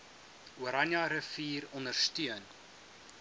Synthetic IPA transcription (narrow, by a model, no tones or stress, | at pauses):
uəɾɐnjɐɾəfiːrɔndərstyən